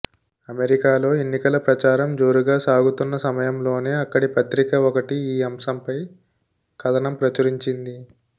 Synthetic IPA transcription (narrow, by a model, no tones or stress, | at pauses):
ɐme̞ɾikaːlo̞ːe̞nːikɐlɐpɾɐt͡ʃaːɾɐmd͡ʒo̞ːɾuɡaːsaːɡut̪unːɐsɐmɐjɐmlo̞ːne̞ːɐkːɐɽipɐt̪ɾikɐɔkɐʈiiːɐmsɐmpɐj | kɐd̪ɐnɐmpɾɐt͡ʃɐɾiɲt͡ʃind̪i